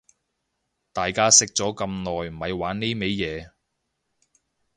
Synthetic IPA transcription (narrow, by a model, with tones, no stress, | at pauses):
t̪aː˨jkaː˥sɪ˥k̚t͡sɔː˨˥kɐ˧mnɔː˨jm̩˨˩hɐ˨˧jwaː˨˥nnːe˥jme˨˥jjɛː˨˧